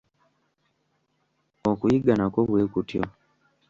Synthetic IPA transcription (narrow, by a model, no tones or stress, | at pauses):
okujiɡanakoβweːkutjo̰